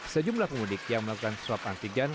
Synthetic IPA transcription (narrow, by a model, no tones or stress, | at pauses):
səd͡ʒumlahpəmudɪk̚jaŋməlakukansɾapaŋkiɡan